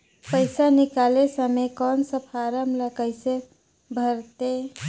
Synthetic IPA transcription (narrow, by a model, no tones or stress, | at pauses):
pəɪsanikalesəmekɔnsəpʰaɾəmləkəɪse | bʱəɾt̪e